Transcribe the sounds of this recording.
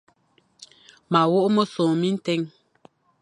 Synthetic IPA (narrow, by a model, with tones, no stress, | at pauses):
ma˨wo˦ʔmə˦so˨mi˦n̩˦tɛ˦ŋ